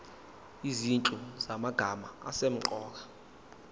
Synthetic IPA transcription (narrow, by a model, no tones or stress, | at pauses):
izint͡ɬʼuzamaɡ̥ʱama̰a̰sem̩ǃɔːk̬ḁ